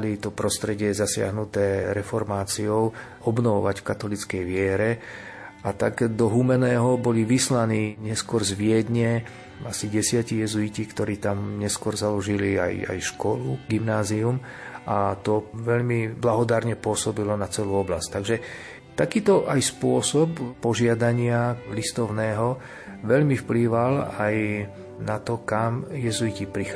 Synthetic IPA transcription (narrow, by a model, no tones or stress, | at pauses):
lit̪ɔpɾɔst̪ɾɛɟɪɛzasɪa̰ɦnut̪ɛːɾɛfɔɾmaːt͡siɔʊ | ɔbnɔʋɔʋacfkat̪ɔlit͡skɛjʋɪɛɾɛ | ʔat̪aɡd̪ɔɦumɛnɛːɦɔbɔliʋislaniːɲɛskʊɔɾzʋɪɛd̪ɲɛ | asiɟɛsɪacijɛzuicikt̪ɔɾiːt̪amɲɛskʊɔɾzalɔʒilia̰ja̰jʃkɔluɡimnaːzium | ʔat̪ɔʋɛʎmiblaɦɔd̪aɾɲɛpʊɔsɔbilɔnat͡sɛluːɔblasct̪aɡʒɛ | t̪akiːt̪ɔʔajspʊɔsɔppɔʒɪad̪aɲɪalist̪ɔʊnɛːɦɔ | ʋɛʎmifpliːʋalaj | nat̪ɔkamjɛzuicipɾix